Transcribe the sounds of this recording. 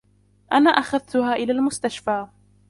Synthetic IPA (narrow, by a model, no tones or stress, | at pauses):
ʔanaːʔaxaðt̪ʊhaːʔɪlaːlmʊst̪aʃfaː